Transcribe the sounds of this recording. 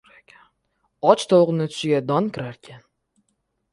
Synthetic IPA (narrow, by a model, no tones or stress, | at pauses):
ɒt͡ʃt̪ʰolˠʁɨnɪt̪ʰʊ̥ʃɪɡʲad̪ɒnkʲʰɪɾaɾkʲʰan